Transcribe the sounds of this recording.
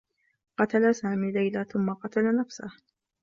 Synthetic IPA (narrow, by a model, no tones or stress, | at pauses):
qɑt̪alasaːmiːlajlaθʊmːaqɑt̪alanafsah